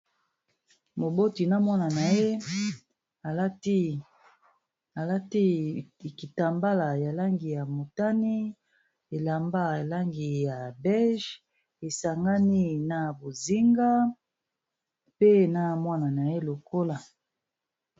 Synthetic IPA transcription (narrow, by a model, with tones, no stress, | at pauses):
mo˨bo˦ti˨na˦mwa˦na˨na˨je˦ | a˨˦t | a˨la˦ti˦˨ki˨ta˨mba˦la˨ja˨la˦ŋɡi˨ja˨mo˨ta˦ni˦ | e˨la˨mba˦˨la˦ŋɡi˨ja˨bɛ˦lʒ | e˨sa˨ŋɡa˦ni˦na˨bo˨zi˦ŋɡa˦ | pe˦na˦mwa˦na˨na˨je˦lo˨ko˦la˨